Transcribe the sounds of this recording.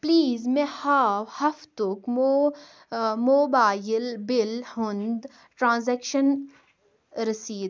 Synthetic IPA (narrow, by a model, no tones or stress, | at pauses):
pliːzmẽhaːwhɐft̪ʊkmo | moːbaːjɪlbɪlhʊnd̪ | ʈɾãːnzɛːkʃən | ɾɐsiːd̪